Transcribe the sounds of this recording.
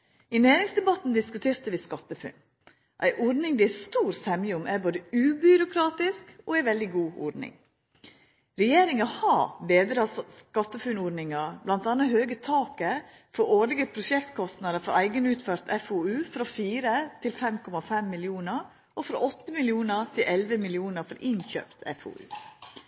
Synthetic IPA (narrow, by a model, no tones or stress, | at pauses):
ɪneːɾɪŋsd̪ɛbɑt̪n̩d̪ɪskʉt̪ʰeːɾt̪əʋɪskɑt̪ːəfʉ̰n | ʔæ̰ɪʔɔɖnɪŋd̪ɛæst̪uːɾsɛmɪʊmʔæboːd̪əʉːbʏɾʊkʰɾɑːt̪ɪskɔæɪʋɛld̪ɪɡuːɔ̰ɖnɪ̰ŋ | ɾɛjeːɾɪŋɑhɑbeːd̪ɾəɑskɑt̪ːəfʉnɔɖnɪŋɑblɑnt̪ɑnəɦøːɡət̪ʰɑːkə | fɔoːlɪɡəpʰɾʊʃɛkt̪kʰɔst̪nɑd̪əfɔɾæɪɡənʉːt̪føɾt̪ʰɛfoːʉːfɾɑfiːɾət̪ʰɪlfɛmkʰɔmɑfɛmːɪlɪuːnəɾ | ʔɔfɾɑ̰ʔɔt̪ːəmɪlɪuːnəɾt̪ʰɪlʔɛlʋəmɪlɪuːnəɾfɔɾʔɪnçø̰ːpt̪ʰɛ̰fo̰ːʉ̰ː